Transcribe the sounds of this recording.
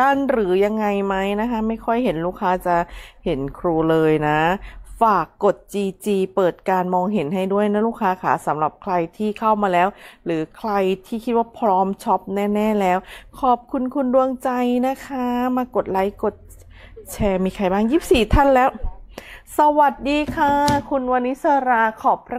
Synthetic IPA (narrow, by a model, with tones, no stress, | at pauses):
a˥˩nɾɯː˩˦ja˧ŋːa˧jma˦˥jna˦˥kʰa˦˥ma˥˩jkʰɔ˥˩jɦe˩˦nluː˥˩kʰaː˦˥t͡ɕa˨˩he˩˦nkʰɾuː˧lɤː˧jna˦˥faː˨˩kːo˨˩t̪̚t͡ɕiː˧t͡ɕiː˧pɤː˨˩t̪̚kaː˧nmɔː˧ŋɦe˩˦nɦa˥˩jdu˥˩əjna˦˥luː˥˩kʰːaː˦˥kʰa̰˦˧˩sa˩˦mɾa˨˩p̚kʰɾa˧jt̪ʰiː˥˩kʰa˥˩wmaː˧lɛː˦˥wɾɯː˩˦kʰɾa˧jt̪ʰiː˥˩kʰi˦˥waː˥˩pʰɾɔː˦˥mt͡ɕʰɔ˦˥p̚nɛː˥˩nɛː˥˩lɛː˦˥wkʰɔː˨˩p̚kʰu˧nkʰu˧ndu˧əŋt͡ɕa˧jna˦˥kʰa˦˥maː˧ko˨˩t̪̚la˨˦jko˨˩t̪̚ | t͡ɕʰɛː˧miː˧kʰa˧jbaː˥˩ŋjiː˥˩p̚siː˨˩t̪ʰa˥˩nlɛː˦˥w | sa˧wa˨˩t̪̚diː˧kʰa˧˩kʰu˧nwaː˧nːi˦˥sa˧ɾaː˧kʰɔː˨˩pʰːɾa˦˥